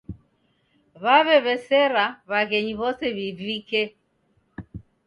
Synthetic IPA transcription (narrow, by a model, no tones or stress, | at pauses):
βaβɛβɛsɛɾaβaɣɛɲiβɔsɛβivikɛ